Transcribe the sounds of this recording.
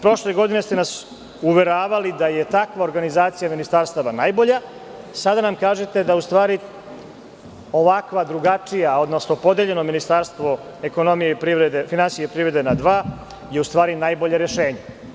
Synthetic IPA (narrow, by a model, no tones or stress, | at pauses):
pɾo̞ʃle̞ɡo̞d̪ine̞st̪enas | uʋeɾaːʋalid̪aje̞t̪akʋao̞ɾɡanizaːt̪sijaminist̪aɾst̪aʋanajbo̞ʎa | sad̪anamkaːʒet̪e̞d̪aust̪ʋaːɾi | o̞ʋakʋad̪ɾuɡat͡ʂijao̞d̪no̞sno̞po̞d̪eʎe̞no̞minist̪aɾst̪ʋo̞ | eko̞no̞mijeipɾiʋɾed̪efinansijepɾivɾe̞d̪enad̪ʋaː | je̞ust̪ʋaːɾinajbo̞ʎeɾeʃe̞ːɲe